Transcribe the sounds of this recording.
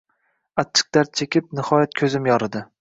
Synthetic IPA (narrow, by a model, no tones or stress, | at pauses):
at͡ʃʰːɨ̥q̚d̪aɾt̪̚t͡ʃʰekʲʰɪp̚nɪhɒjat̪̚kʲʰɵzɪmjɒɾɪd̪ɪ